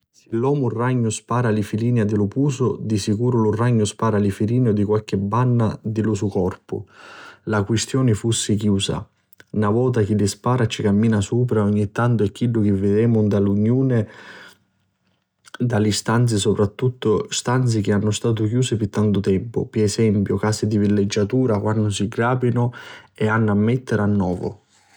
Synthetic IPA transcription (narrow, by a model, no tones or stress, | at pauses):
sɪlːɔːmʊrːaɲːʊspaːɾalɪfiliːnad̪ɪlʊpuːsʊd̪isikuːɾʊlʊraɲːʊspaːɾalifiliːnʊd̪ikwalk̟ɪbːanːad̪ɪlʊsukɔrpʊ̰lakwɪst̪jɔːnɪfusːɪk̟juːsa̰ | navɔːt̪̬ak̟ɪlːɪspaːɾat͡ʃikamːiːnasuːp̬ɾaɔɲːit̪ːant̪ʊɛkːilːʊk̟ɪvːɪd̪ɛːmʊnd̪aluɲːjuːnɪ | d̪alist̪ant̪sɪsʊpɾat̪ːut̪ːʊst̪ant̪sɪk̟ɪanːʊst̪aːt̪̬ʊkjuːsɪpɪt̪ːant̪ʊt̪ɛmpʊ̰piɛsɛmpjʊkaːsɪd̪ivilːed͡ʒːat̪uːɾakwanːʊsiɡɾaːpinʊɛanːamːɛt̪ːɪɾanːɔːvʊ̰